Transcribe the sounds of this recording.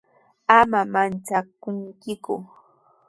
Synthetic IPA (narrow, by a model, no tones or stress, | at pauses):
amamant͡ʃakʊŋkɪkʊ